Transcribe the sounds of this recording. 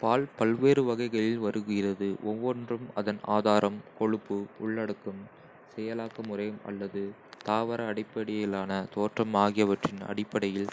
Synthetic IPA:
paːlpɐlʋeːɾɯʋɐɣɐɪɣɐɭɪlʋɐɾɯɣɪrɐðɯʔɔʋːɔndrɯmɐðɐna̰ːðaːɾʔɐmkɔɻɯpːɯʊɭːɐɽɯkːɯm | sɛjɐlaːkɐmʊrɐɪjɯmɐ̰lːɐðɯ | t̪aːʋɐɾɐːɽɪpːɐɽɪjɐjɪlaːnɐt̪oːʈrɐmaːɣɪjɐʋɐʈrɪnɐ̰ɽɪpːɐɽɐjɪl

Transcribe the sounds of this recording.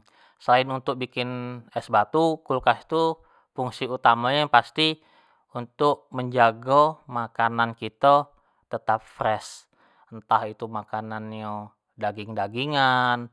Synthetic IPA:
səlaɪnunt̪ʊk̚bikɪnɛsbat̪ukulkasi̥t̪u | puŋsiut̪amajaŋpast̪i | unt̪ʊk̚məɲd͡ʒaɡomakanankit̪ə | t̪ət̪ap̚fɾɛs | ənt̪ahit̪umakananjo | daɡɪŋdaɡiŋan

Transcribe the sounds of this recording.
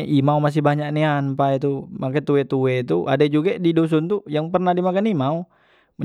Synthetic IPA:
ʔimaumas̬ɪhbaɲaknianpait̪umakat̪uwɛt̪uwɛt̪uʔa̰dad͡ʒuɡadidos̬unt̪ujaŋpərnahdimakanimau | mə

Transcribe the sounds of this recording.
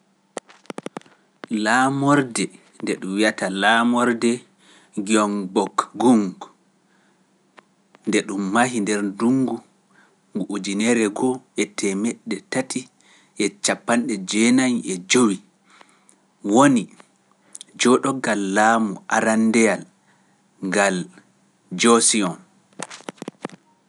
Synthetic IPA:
lamɔɾdɛ | ndɛɗumwijatalaːmɔɾdɛ | ɡiɔŋbɔkɡuŋɡ | ndɛɗumːaɦindɛɾduŋɡu | ŋɡuʔud͡ʒinɛɾɛɡɔɛtʰɛmɛɗːɛtatʰi | ʔɛt͡ʃapːanɗɛd͡ʒɛnanɛd͡ʒowi | woni | d͡ʒɔɗɔɡalːaːmuʔaɾandɛjal | ŋɡal | d͡ʒɔsiɔn

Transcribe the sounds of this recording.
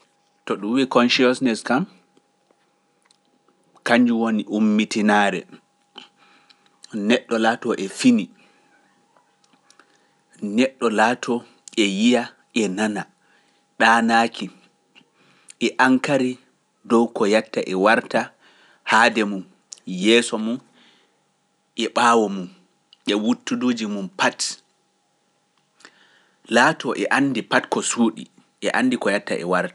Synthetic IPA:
tɔɗumwikɔnʃiɔsnɛskam | kaɲd͡ʒuwoniʔumːitinaɾɛ̰ | nɛɗːɔlaːtɔʔɛfini | nɛɗːɔlaːtʰɔ | ɛjija | ʔɛnana | ɗaːnaːkʰi | ʔɛʔaŋkaɾi | dɔwkɔjatːaʔɛwaɾta | hadɛmun | jɛːsɔmun | ʔɛɓaːwɔmun | ʔɛwutːuduːd͡ʒimumpat | laːtɔʔɛʔanːdipatkɔsuːɗḭ | ʔɛʔandikɔjatːa̰ʔɛ̰waɾtḁ

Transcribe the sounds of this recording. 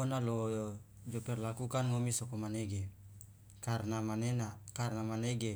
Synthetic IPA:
onalo | d͡ʒoperlakukanŋomisokomaneɡe | karnamanenakarnamaneɡe

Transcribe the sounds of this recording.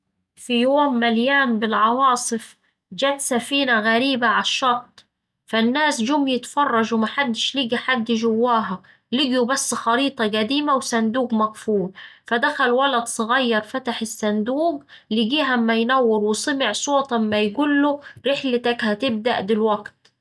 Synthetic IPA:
fijoːmːaljaːmbɪlʕɑwɑːsˤɨf | d͡ʒæːt̪safiːnaɣæɾiːbaʕaʃːɑt̪̚ˤː | fanːaːsd͡ʒʊmːjɪt̪fɑrˤːɑʒwmaħad̪ːɪʃliːɡiħad̪ːjɪʒʊwːaːɦa | lɪɡjubasːxɑɾiːt̪ˤɑɡæd̪iːmawsand̪uːɡmɑqfuːlfad̪axælwɑlɑd̪sˤɨɣɑjːɑɾˤfat̪aħɪsːænd̪uːɡ | lɪɡiːɦamːæjnawːɪɾwɪsˤɨmɪʕsˤoːt̪ˤamːæjɡuːlːʊɾɪħlɪt̪akhat̪ɪb̚d̪a̰ʔd̪ɪlwaɡt̪

